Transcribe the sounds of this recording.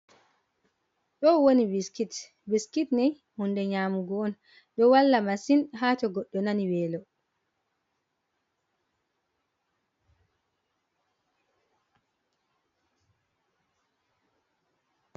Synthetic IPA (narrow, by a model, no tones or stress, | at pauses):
ɗɔwoniwiskit | biskitnɛj | hundɛɲaːmuɡɔːn | ɗɔwalːamasinɦaːtɔɡɔɗːɔnaniwɛːlɔ